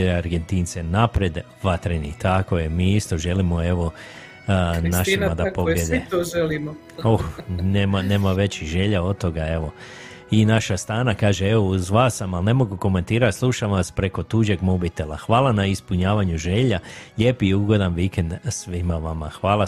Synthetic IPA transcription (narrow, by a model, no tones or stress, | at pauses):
aɾɡent̪int̪senapɾe̞d̪ | ʋat̪ɾenḭt̪ʰakojemiːist̪o̞ʒe̞limoe̞ʋo̞ | naʃimad̪apoɡljed̪et̪oʒelimo | oneːmane̞ːmaʋe̞t͡ɕiʒe̞ʎaod̪̚t̪ːo̞ɡae̞ʋo̞ | inaʃast̪aːnakaːʒeeʋouzʋaːsamalne̞mo̞ɡuko̞me̞nt̪iːɾaslˠuʃaʋaspɾe̞ko̞t̪uːʒe̞ɡmobit̪e̞laxʋaːlˠanaispuɲaːʋaɲuʒe̞ʎaʎeːpiuɡo̞d̪anʋikend̪sʋimaʋamaxʋaːlˠa